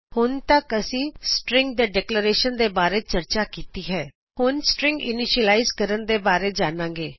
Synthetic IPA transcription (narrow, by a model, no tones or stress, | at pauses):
hʊnt̪əkəsĩːsʈɾɪ̃ŋɡ̚d̪eːɖɛːkləɾeːʃənd̪eːbaːɾeːt͡ʃəɾt͡ʃaːkiːt̪iːɦɛː | hʊnsʈɾɪ̃ŋɡɪ̰nɪʃəlaːɪzkəɾənd̪eːbaːɾeːd͡ʒaːnãːŋɡeː